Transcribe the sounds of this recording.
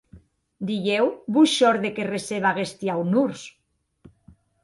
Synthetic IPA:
d̪iʝewβuʃɔɾðekereseβaɣest̪jawnuɾs

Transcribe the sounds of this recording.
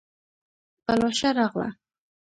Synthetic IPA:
palɔʃaɾɑɣla̰

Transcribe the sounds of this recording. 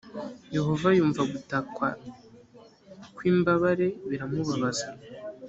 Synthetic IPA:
je̞ɦo̞vajuːɱvaɡutakwa̰ | kwiːmbaβaɾe̞βiɾamuβaβaza

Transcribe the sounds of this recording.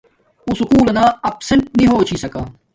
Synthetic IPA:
usʊkuːlɐnãːɐpsəɳʈ̚nĩɦoːt͡ʃʰiːsɐkaː

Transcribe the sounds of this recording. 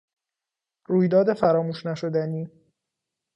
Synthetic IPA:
ɾuːjd̪ɒːd̪e̞fæɾɒːmuːʃnæʃod̪æniː

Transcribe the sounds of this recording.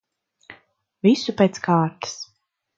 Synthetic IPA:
vʲisupʲeːt̪skaːɾt̪ɨ̥s

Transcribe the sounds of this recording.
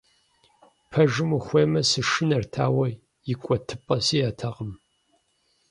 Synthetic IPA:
pʰɐʒɨmuxʷeːmɐsɨʃɪnɐrtʰa̰ːwɐ | jɪkʷʼɔtʰɨpʼɐsiːjaːtʰɐʁəm

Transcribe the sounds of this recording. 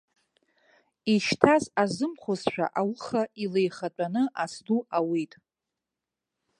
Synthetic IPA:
iʃtʰazazɨmχʷozʃʷᶣʰa̰ʔawχailejχat͡pʷʼanɨʔasduawitʼ

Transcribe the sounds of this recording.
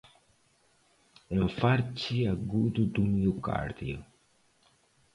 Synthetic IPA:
eɱfaɾt͡ʃiaɡud̪ud̪umiuka̰ɾd̪io

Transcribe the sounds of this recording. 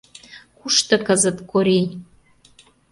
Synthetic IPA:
kuʃt̪ɤ̆kəzə̆t̪koɾe

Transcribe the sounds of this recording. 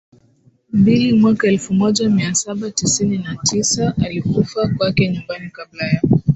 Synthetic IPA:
mbilimwakaɛlfumɔʄamiasaɓatisininatʰisaʔalikufakwakɛɲumbanikablajaɔ

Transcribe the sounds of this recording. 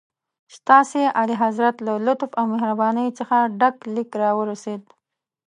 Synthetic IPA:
st̪ɑseʔaliɦazɾat̪lalʊt̪fawmehɾabɑnəjt͡səxaɖaklikɾɑwəɾased̪̚

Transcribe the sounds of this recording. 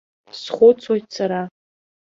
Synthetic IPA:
sχʷʊt͡sʰwojt̚ʰsaɾa

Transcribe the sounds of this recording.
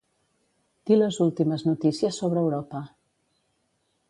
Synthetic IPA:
t̪iləzulˠt̪iməznut̪isiəsːoβɾəːwɾɔpə

